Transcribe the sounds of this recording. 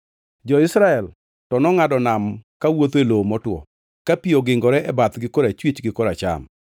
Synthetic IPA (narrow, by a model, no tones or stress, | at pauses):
d͡ʒɔɪsɾaɛl | tɔnɔŋadɔnamkawot̪elomɔtwɔ̰ | kapioɡɪŋɡɔɾɛʔɛbat̪ɡɪkɔɾat͡ʃwit͡ʃɡɪkɔɾat͡ʃa̰m